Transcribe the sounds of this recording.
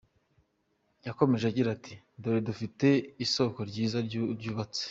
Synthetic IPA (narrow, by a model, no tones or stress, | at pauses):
jako̞me̞ʒeaɟiɾatʰi | doɾidufite̞iso̞ko̞ɾɟiːzaɾɾɟuːβat͡se̥